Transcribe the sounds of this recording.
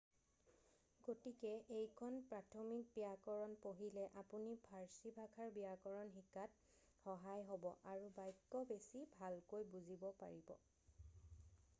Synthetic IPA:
ɡ̥otikɛejkʰɔnpɹatʰɔmik̚biakɔɹɔnpoɦilɛʔapunipʰaɹsibʱakʰaɹbijakɔɹɔnɦikat̚ | xɔɦajɦobɔ̰ʔaɹubajkːɔbesibʱalkojbuzibɔpa̰ɹibɔ̰

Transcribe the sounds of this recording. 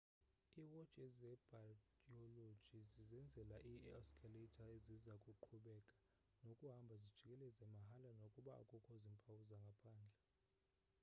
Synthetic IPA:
iwɔd̥t͡ʃʼɛzɛb̥ʱakʼiɔlo̥d͡ʒ̥ʱizizɛnd͡zʱɛlaʔiaskʰʼalitʰʼaezizakʼuǃʰuɓɛkʼḁ | nokʼuɦambʱazid̥ʒ̥ʱikʼɛlɛzɛmaɦalanokʼuɓa̰ːkʼɔkʰʼɔzimpʰʼawuzaŋɡʱapʰaːnd͡ɮʱɛ

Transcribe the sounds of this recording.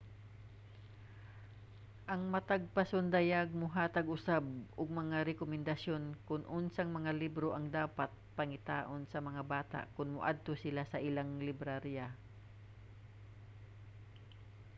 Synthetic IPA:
ʔɐŋmɐt̪aɡ̚pɐsond̪ɐjaɡ̚mʊɦaːt̪ɐɡʊsab̚ʔʊɡ̚mɐŋaɾɛkomɛnd̪ɐsjo̞nkʊnʔʊnsaŋmɐŋalibɾoʔɐŋd̪aːpat̪̚pɐŋɪt̪aːʔonsɐmɐŋabaːt̪a̰ʔkʊnmʊʔa̰d̪̚t̪osɪlasɐʔɪlaŋlɪbɾaɾja

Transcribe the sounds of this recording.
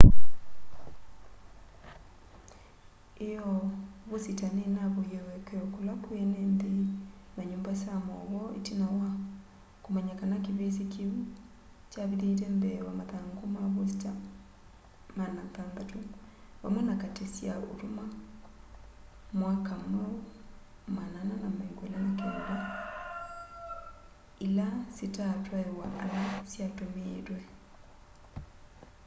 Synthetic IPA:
ejɔβositanenaβojɛwɛkɔkolakwenɛnde | naɲoːmbasamɔɣɔḛtinawa | komɛɲakanakiβesekʰeu | t͡ʃaβiðeiɾɛmbɛwamaðaŋɡomaβosi̥ta | manaðanðatowa̰manakatesjao̰ɾoma | mwakamao | manananamaiŋɡwɛlanakenuɾa | ilasitatwaewaʔalasjatomeɾwɛ

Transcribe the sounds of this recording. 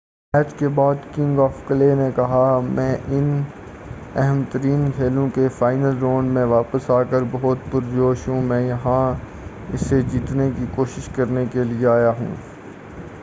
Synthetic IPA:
mɛːt͡ʃkebaːd̪kɪ̃ŋɡɔːfklenẽkɐɦamɛ̃ːʔɪn | ɛɦɛmt̪əɾiːnkʰeːlõkefaːɪnəlɾoːnɖmẽʋaːpəsaːkəɾbɐɦʊt̪̚pʊɾd͡ʒoːʃɦũmɛ̃ːjɐɦã | ɪsːed͡ʒiːt̪nekikoːʃɪʃkɐɾnekelieaːjaɦṵ̃ː

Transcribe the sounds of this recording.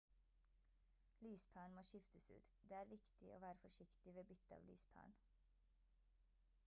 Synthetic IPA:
lyːspʰæːɳmoːʃɪft̪əsʉ̰ːt̪d̪eːæːɾʋɪkt̪ʰɪʔo̰ːʋæːɾəfɔʃɪkt̪ɪʋeːbʏt̪əɑ̰ːʋly̰ːspʰæ̰ːɳ

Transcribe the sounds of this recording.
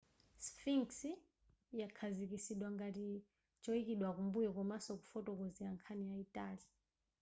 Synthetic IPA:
sfiŋsi | jakʰazik̬isiɗwaŋɡati | t͡ʃʼɔikiɗwak̬umbujɔk̬ɔmasɔkufɔtʼɔk̬ɔziaŋkʰanijaitʼaːli

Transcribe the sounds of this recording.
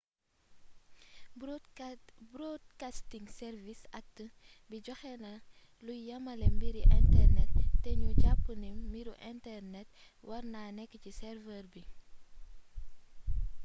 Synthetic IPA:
bɾɔd̚kastiŋsɛɾvisɐk̚tə | biɟɔxɛnɐ | lujɐmɐlɛmbiɾiʔɛntɛrnɛtːɛɲuɟapːənimiɾuʔɛntɛrnɛt | wɐɾnaːnɛkːəcisɛrvɛrbi

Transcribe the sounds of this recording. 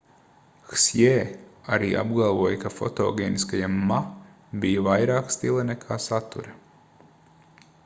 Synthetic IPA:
xsjeːaɾḭːʔa̰b̚ɡalˠvuɔjkafɔ̰t̪o̰ːɡʲeːniskajamːa | bijɐvajɾaːkst̪ilˠɐnɛkʰaːsat̪ṵɾɐ

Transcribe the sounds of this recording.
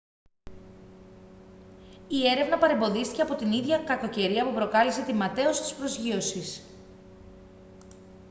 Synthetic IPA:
ie̞ɾe̞vnɐpɐɾe̞mbo̞ðist̪iceɐpo̞t̪iniðʝɐkɐko̞ce̞ɾiɐpupɾo̞kɐlise̞t̪imɐt̪e̞o̞si̥t̪i̥spɾo̞zʝio̞sis

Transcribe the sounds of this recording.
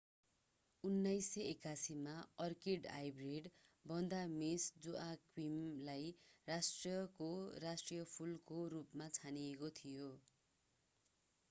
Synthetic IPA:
unːajsʌekasimaʌrkeɖa̰jbreɖbʌnd̪amesd͡zuʔakwimlajrasʈriʌkorasʈrijʌpʰulkorupmat͡sʰaniekot̪ʰijo

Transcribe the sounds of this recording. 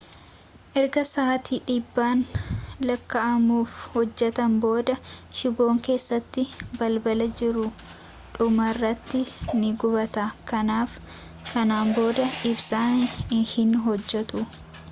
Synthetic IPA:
ʔɛɾɡɐsaːt̪iːᶑɪbːaːnlɐkːɐʔɐmuːfhɔd͡ʒːɛt̪ɐmbo̞ːd̪ɐʃɪbo̞ːŋke̞ːsːɐt̪ːɪbɐlbɐlɐd͡ʒɪɾʊ | ᶑʊmɐrːɐt̪ːɪnɪɡʊbɐt̪akɐnaːf | kɐnaːmbo̞ːd̪ɐʔɪbsaːhɪnɦɔd͡ʒːɛt̪ʊ

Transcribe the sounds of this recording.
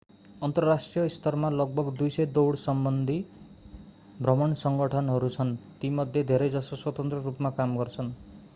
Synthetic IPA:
ʌnt̪ʌrːasʈrijʌist̪ʌrmalʌɡ̚bʌɡd̪ujsʌjd̪owɽsʌmbʌnd̪ʱi | bʱrʌmʌnsʌŋɡʌʈʰʌnɦʌɾut͡sʰʌnt̪imʌd̪ʱjed̪ʱeɾʌjd͡zʌsʌswʌt̪ʌnt̪ɾrʌɾupmakamɡʌrt͡sʰʌn

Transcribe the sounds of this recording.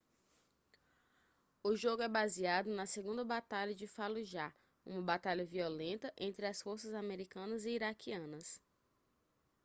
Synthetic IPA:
ʊʒoɡʊɛbaziad̪ʊnɐseɡũnd̪ɐbat̪aʎɐd͡ʒɪfaluʒa | ṵ̃mɐbat̪aʎɐviolẽnt̪ɐʔẽnt̪ɾɪɐsfoɾsɐzameɾikɐ̃nɐzɪiɾakʰiɐ̃nɐs

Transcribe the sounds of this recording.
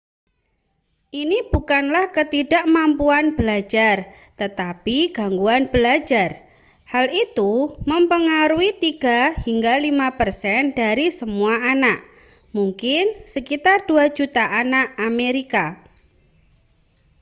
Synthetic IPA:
ʔinib̥ukanlahkət̪idaʔmampuanbəlad͡ʒar | t̪ət̪apiɡ̥aŋɡuanb̥əlad͡ʒar | halit̪uməmpəŋaɾuit̪iɡ̥ahiŋɡalimapərsɛndaɾisəmuaʔanaʔ | muŋkɪnsəkit̪ard̥uḁd͡ʒut̪aʔanaʔameɾika

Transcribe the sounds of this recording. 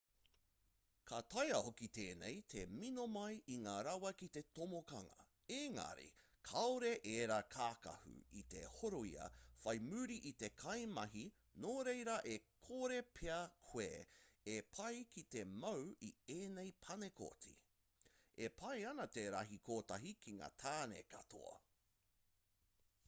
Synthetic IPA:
kʰat̪ɐjɐhokit̪eːnḛjt̪ʰeminomɐjiŋaːɾɐwɐkit̪e̞tomokɐŋɐ̰ | eŋɐ̰ɾḭ | kʰɐoɾeʔeːɾakʰaːkɐ̰hʉ̰it̪e̞̰hoɾoḭɐ̰fɐjmʉːɾiʔit̪e̞kʰɐjmɐɦi | noːɾejɾɐʔekʰoɾepʰeɐkʰwḛːepʰɐjkit̪e̞mɐwieːnejpʰɐneko̰tḭ | epʰɐjɐnɐt̪eɾɐ̰ɦikʰoːt̪ɐɦikʰiŋa̰ːt̪ʰaːnḛkɐ̰t̪ʰo̰ɐ̰

